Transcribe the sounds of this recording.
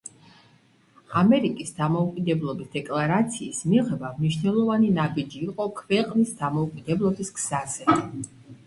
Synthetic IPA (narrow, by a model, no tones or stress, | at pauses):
amɛɾikʼisd̪amɔukʼid̪ɛblˠɔbisd̪ɛkʼlˠaɾat̪sʰiːsmiʁɛbamniʃnɛlˠɔvaninabid͡ʒiːqʼɔkʰvɛqʼnisd̪amɔukʼid̪ɛblˠɔbiskz̥azɛ